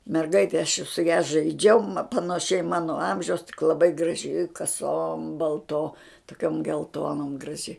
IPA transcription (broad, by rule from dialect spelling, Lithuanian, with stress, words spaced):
mʲɛrˈɡɐɪtʲeː ɐʃ sʊ jɛ ʒɐɪˈd͡ʒʲɛʊ mɐ pɐnɐˈʃʲɛɪ ˈmɑːnoː ˈɐmʲʒʲɛʊs tʲɪk lˠɐˈbɐɪ ɡrɐˈʒʲɪ kɐˈsoːm bɐlˠˈtoː toːˈkʲoːm ɡʲɛlˠˈtoːnoːm ɡrɐˈʒʲɪ